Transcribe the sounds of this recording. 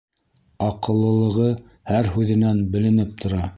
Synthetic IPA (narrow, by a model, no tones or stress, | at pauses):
ɑqɤ̆lˠːɤ̆lˠɤ̆ʁɤ | hæɾɦʉðɘ̆nænbɘ̆lɘ̆nɘp̚t̪ʰŏɾɑ